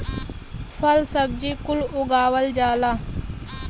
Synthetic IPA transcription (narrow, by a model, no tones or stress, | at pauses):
fɐlsɐb̚d͡ʑikulʊɡaːwɐld͡ʒaːla